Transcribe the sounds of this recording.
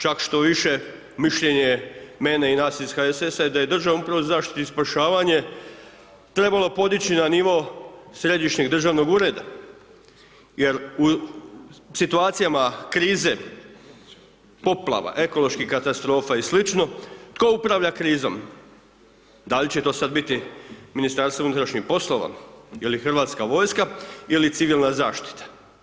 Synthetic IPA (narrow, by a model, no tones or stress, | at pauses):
t͡ʃakʃt̪o̞ʋiʃe̞ | miʃʎe̞ɲemeːneinaːsisxaesesajed̪aje̞d̪r̩ʒaʋumupɾaʋozaːʃt̪i̥t̪ispaʃaːʋaɲe̞ | t̪ɾe̞balˠo̞po̞d̪it͡ɕinaniʋo̞sɾe̞d̪iʃɲe̞ɡd̪r̩ʒaʋno̞ɡuːɾe̞d̪a | jeɾu | sit̪uaːt̪sijamakɾiːze̞ | po̞plˠa̰ʋa̰ʔe̞ko̞lˠoʃkihkat̪ast̪ɾo̞ːfaislit͡ʃno̞t̪ko̞upɾaʋʎakɾiːzo̞̰m | d̪alit͡ɕet̪o̞ːsad̪bit̪iminist̪aɾst̪ounut̪ɾaʃɲixpo̞slo̞ʋa̰ilixrʋaːt̪skaʋo̞ːjskailit̪siʋilˠnazaːʃt̪i̥t̪ḁ